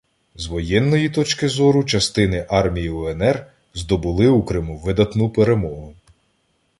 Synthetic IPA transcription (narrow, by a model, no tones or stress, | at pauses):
zʋɔjɛnːɔjit̪ɔt͡ʃkɪzɔɾʊt͡ʃɐst̪ɪnɪʔɑrmʲijiɔɛnɛr | zd̪ɔbʊlˠɪukɾɪmuʋɪd̪ɐt̪nupeɾe̞mɔɦʊ